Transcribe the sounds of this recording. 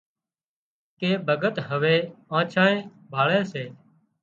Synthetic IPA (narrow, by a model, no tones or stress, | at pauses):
keːbʱəɡət̪ɦəʋeːãːt͡ʃʰãːẽː | bʱaːɭeːseː